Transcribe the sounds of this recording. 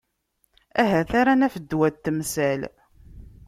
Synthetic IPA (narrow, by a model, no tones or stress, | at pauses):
æɦæθaɾanæfəd̪ːwæt̪ːəmsæl